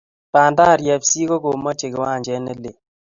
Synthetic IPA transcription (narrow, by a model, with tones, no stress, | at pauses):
pa˨nda˦˨ɾjɛ˨psi˦ko˦ko˨ma˦t͡ʃe˨kɪ˨wa˦˨d͡ʒɛ˦nɛ˦le˨